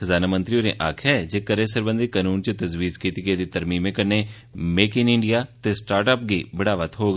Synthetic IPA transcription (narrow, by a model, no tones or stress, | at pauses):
xəzaːnamə̃nt̪ɾioːɾẽʔaːkʰɦɛːd͡ʒeːkəɾẽsəɾbə̃nd̪ikaːnuːnt͡ʃət̪əzʋiːzkiːt̪ɪiɡed̪it̪əɾmiːmẽkəɾneː | meːkɪnɪ̃ɳɖijaːt̪esʈaːɾʈəːpɡibəɽaːʋət̪ɦoːɡa